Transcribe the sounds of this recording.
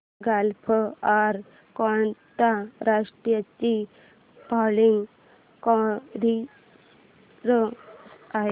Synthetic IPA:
ɡalpʰəaɾ | kɔɳt̪aɾaʂʈɾijat͡ɕi | paliŋɡ | kɔɾi | ɾə | aɦe

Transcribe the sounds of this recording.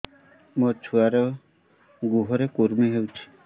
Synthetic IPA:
mɔt͡ʃʰuaɾe | ɡuɦɔɾekuɾmiɦewt͡ʃʰi̥

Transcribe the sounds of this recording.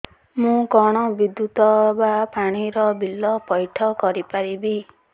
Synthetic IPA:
mũkɔɽ̃ɔbid̪jut̪ɔbapaɽ̃iɾɔbilːɔpɔjʈʰɔkɔɾipaɾibi

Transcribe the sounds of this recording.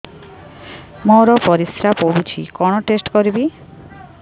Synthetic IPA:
moɾɔpɔɾisɾapoɦut͡ʃʰḭkɔɽ̃ɔʈesʈkoɾibi

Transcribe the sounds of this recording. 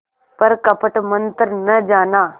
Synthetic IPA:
pɐɾkɐpəʈmɐ̃nt̪əɾnɐd͡ʒaːnaː

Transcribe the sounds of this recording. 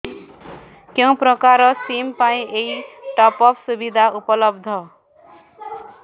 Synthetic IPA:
kjʌ̃w̃pɾʌkaɾʌsimpaĩʔeiʈʌpʌpʰsubid̪ʱaupʌlʌb̚d̪ʱʌ

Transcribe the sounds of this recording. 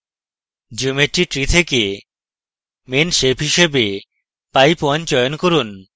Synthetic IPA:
d͡ʑumeʈːiʈɾit̪ʰeke | menʃepʰɦiʃebe | pajpoant͡ɕɔjonkoɾun

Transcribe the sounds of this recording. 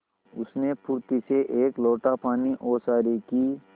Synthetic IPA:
ʊsnepʊɾt̪iseʔeːkloːʈapaːniʔoːsaːɾiki

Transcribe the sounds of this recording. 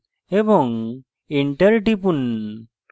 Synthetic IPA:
ebɔŋ | iɳʈəɾʈipun

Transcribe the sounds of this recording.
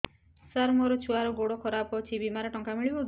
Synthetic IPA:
saɾmɔɾɔt͡ʃʰuaɾɔɡoɽokʰɔɾapɔt͡ʃʰibimaɾɔʈɔŋkamiɭibɔ

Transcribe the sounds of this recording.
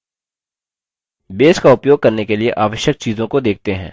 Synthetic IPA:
beːskaʊpjoːɡ̚kɐɾnekelieʔaːʋəʃjək̚t͡ʃiːzõkod̪eːk̚ʰt̪eɦɛ̰̃ː

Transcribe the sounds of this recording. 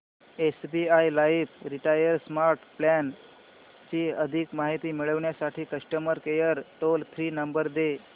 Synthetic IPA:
esbiajlaifɾiʈajəɾsmaɾʈplæn | t͡ɕiːəd̪ʱikmaɦit̪iːmiɭəʋɳjasaʈʰiːkəsʈəməɾkejəɾʈolt̪ʰɾiːnəmbəɾd̪e

